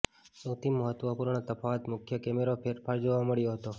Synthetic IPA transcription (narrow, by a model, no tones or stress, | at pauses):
səwt̪imːəɦət̪ʋəpuɾɳət̪əpʰaʋat̪mʊkʰjəkɛmeɾopʰeɾpʰaɾd͡ʒoʋaməɭjoɦət̪o